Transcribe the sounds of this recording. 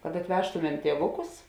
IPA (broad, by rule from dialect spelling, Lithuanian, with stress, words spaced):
kɐt ɐtʲˈʋʲæːʃtʊmʲɛm ˈtʲiɛʋʊˌkʊs